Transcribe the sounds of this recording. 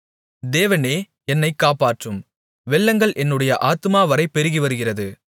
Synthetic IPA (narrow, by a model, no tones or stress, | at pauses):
d̪eːʋɐneː | ɛnːɐɪkːaːpaːʈrɯm | ʋɛɭːɐŋɡɐɭʔɛnːɯɽɐjɐʔaːt̪ɯmaːʋɐɾɐɪpːɛɾɯɣiʋɐɾɯɣɪrɐðɯ